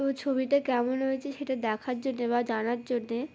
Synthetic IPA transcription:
ot͡ɕʰobiʈakɛmonɦoet͡ɕʰeʃeʈad̪ɛkʰaɾd͡ʑonːeβad͡ʑanaɾd͡ʑonːe

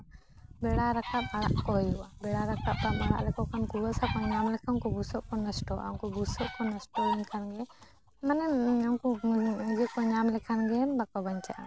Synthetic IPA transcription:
bɛɽaɾakapaɽaʔkɔjuwabɛɽaɾakap̚ːaʔaɽa̰ʔlɛkɔkʰankuwasakɔɲamlɛkʰankɔbusɔʔkɔnɔsʈɔʔa̰ŋkɔbusɔʔkɔnɔsʈɔɛnkʰanɡɛ | manɛakɔd͡ʒɛkɔɲamlɛkʰanɡɛmbakɔbaɲt͡ʃaʔa̰

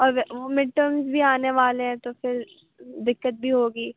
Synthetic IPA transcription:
ɔːɾʋʋomɪɖ̚ʈəːmzbʱiaːneʋaːleɦɛ̃t̪ofɪɾ | d̪ɪkːət̪̚bʱiɦoːɡiː

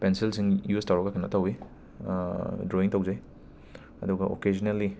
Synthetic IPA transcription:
pensilsiŋjustɐwɾɐkɐkʰɐnːɐ̰tɐwi | dɾoiŋtɐwzaj | ɐ̰duɡɐʔo̰ked͡ʒineli

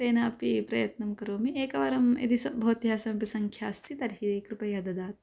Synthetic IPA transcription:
seːnaːpipɾɐjɐt̪nɐmkɐɾoːmieːkɐʋɐɾɐmḛd̪isɐbʱoːt̪jaːsɐmɐpisɐŋkʰjaːst̪ʰit̪ɐɾɦiikɾupɐjɐd̪ɐd̪aːt̪

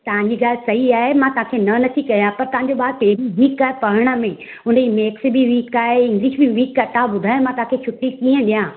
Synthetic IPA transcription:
t̪ɐʋãɲd͡ʑiɡaːlɪsɐɦiaːɦemãt̪ɐɦãkʰenɐnɐt̪ʰikɐjãpɐɾt̪ɐɦãɲ̆d͡ʑoɓaːɾ̚peːiʋiːkaːpɐɦəɽ̃əmẽ | ʊ̃nimeːks̆bɪʋiːkaːɦeɪ̃ŋɡliːʃbɪʋiːkat̪ãbʊd̪ʱaːjõmãt̪ɐɦãkʰet͡ɕʰʊʈːikiːə̃ɗijãː

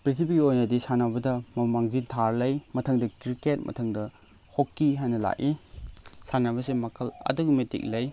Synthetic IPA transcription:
pɾitʰibiɡiojnɐdisanabɐdɐmɐmaŋzintʰaɾlɐjmɐtʰɐŋdɐkɾiket̚mʔɐ̰tʰɐŋdɐ | hokːiɦajnɐla̰ʔi | sanabɐsemɐkʰɐlɐ̰duɡimetḭk̚lɐj

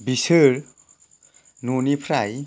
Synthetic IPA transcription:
bisɯɾ | nunipʰɾaj

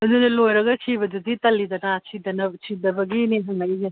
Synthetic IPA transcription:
mɐdunɐlojɾɐɡɐt͡ʃʰibɐduditɐlːidɐnɐt͡ʃʰidɐnɐt͡ʃʰidɐbɐɡiniɦɐŋnaiɡe

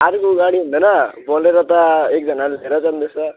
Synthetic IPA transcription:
aɾkoːɡaɽiɦund̪ʌnʌbʌleɾʌt̪ʌek̚d͡zʱʌnaɾleɾʌt͡sand̪esʌ

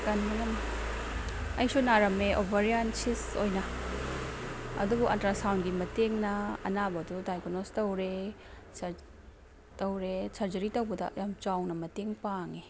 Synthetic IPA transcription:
kɐnmɐŋɐn | ɐjsunaɾɐmeʔobʱaɾiansisojnɐ | ɐ̰dubuʔɐntɾasawnɡimɐteŋnɐɐ̰nabɐdudajkonostɐwɾe | tɐwɾesaɾzɐɾitɐwbɐdɐ̰jamt͡ʃawnɐmɐteŋpaŋe

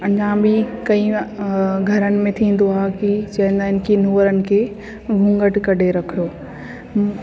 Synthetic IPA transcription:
ɐ̃ɲd͡ʑãbikɐ̃ĩ | ɡʱɐɾənɪ̆mẽt̪ʰĩːn̆d̪oaːɦkit͡ɕɐɦɪ̃nd̪aːɦɪnɪ̆kinuːəɾənɪ̆kʰeː | ʋʱũŋɡəʈkɐɖʱeɾɐkʰijoː

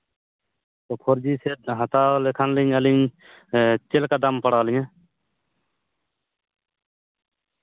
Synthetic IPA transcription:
t̪oːpʰoɾd͡ʒiseɦət̪alekʰənliŋəliŋ | t͡ʃelkad̪əmpəɽaːlijã

